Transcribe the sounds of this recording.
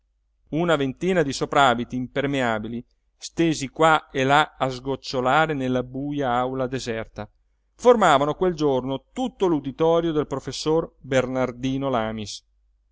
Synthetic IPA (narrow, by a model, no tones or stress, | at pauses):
unavent̪iːnad̪isopɾaːbit̪iːmpermeaːbili | st̪eːzikwaelaazɡot͡ʃːolaːɾenelːabuːjaawlad̪ezɛrt̪a | formaːvanokweld͡ʒornot̪ut̪ːolud̪it̪ɔːɾjod̪elpɾofesːorbernard̪iːnolaːmis